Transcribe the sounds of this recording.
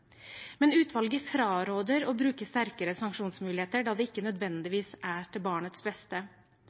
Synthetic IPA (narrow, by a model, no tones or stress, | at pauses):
mɛnʉːt̪ʰʋɑlɡəfɾɑːɾoːd̪əɾoːbɾʉːkəst̪æɾkəɾəsɑŋkʂuːnsmʉːlɪheːt̪əɖɑːd̪ɛːɪkːənœd̪ʋɛnd̪ɪʋiːsæːʈʰɪlbɑːɳət̪sbɛst̪ə